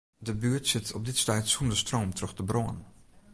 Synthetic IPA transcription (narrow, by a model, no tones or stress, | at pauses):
dəbyːtsɪtʰɔp̚dɪtstɛjtsundəstroːmtrøxtəbroən